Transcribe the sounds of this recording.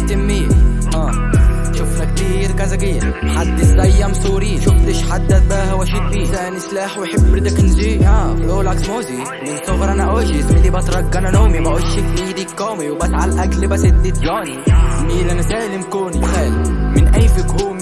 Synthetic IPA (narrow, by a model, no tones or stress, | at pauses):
t̪ɪmːiː | ʔæː | ʃʊfnakt̪iːɾkazaɡɪjːmħad̪ːɪsæjːamsˤuːɾiːʃʊft̪ɪʃħad̪ːat̪baːhawæʃiːt̪̚biːsanɪslaːħwħɪbːɾɪd̪aknzijaːʔoːlʕakmoːzi | mɪnsʊɣɾˤʔanaʔwæːʒɪzmɪlːibɑt̪ɾˤɑɡːananoːmimaʔʊʃɪkniːd̪iːkːoːmiwbæsʕalʔæklbasɪd̪ːɪd̪jaːniiːlʔænasæːʔlɪmkoːnixæːlimɪnʔajfɪkhoːm